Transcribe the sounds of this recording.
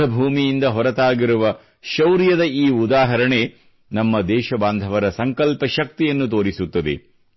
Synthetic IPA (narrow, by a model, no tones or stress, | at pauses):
ɐbʱuːmijind̪ɐɦɔɾɐt̪aːɡiɾuʋɐ | ʃɐwɾjɐd̪ɐiːud̪aːɦɐɾɐɳe̞ | nɐmːɐd̪ɛːʃɐbaːnd̪ʱɐʋɐɾɐsɐŋkɐlpɐʃɐk̚t̪ijɐnːut̪oːɾisut̪ːɐd̪ḛ